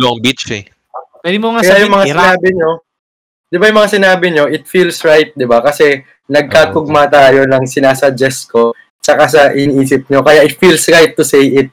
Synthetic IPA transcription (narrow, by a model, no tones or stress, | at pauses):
loɐŋbit͡ʃɛ | wɛd̪ɪmoakɐjajʊŋmɐŋasɪnaːbɪɲo̞ | d̪̥ɪbajʊŋmɐŋasɪnaːbɪɲo̞ʔɪt̪̚fiːlsɹajt̪̚d̪ɪbakɐsɛ | nɐɡ̚kaːkʊɡ̚mat̪aːjo̞nɐŋsɪnaːsɐd͡ʒɛsko̞ | t͡ʃɐkas̬ɐʔɪniʔiːsɪp̚ɲo̞kɐjaʔɪt̪̚fiːlsɹajt̪ːʊsejʔɪt̪̚